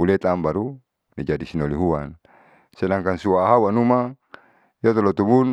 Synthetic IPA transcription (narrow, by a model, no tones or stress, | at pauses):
ulɛt̪ambaɾu | nid͡ʒadisinoliɦuwan | sɛlaŋkansuwaːɦawanuma | jɔt̪ɔlɔt̪ubun